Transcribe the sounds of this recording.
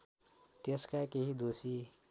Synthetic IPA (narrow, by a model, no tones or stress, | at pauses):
t̪eskakeɦid̪osi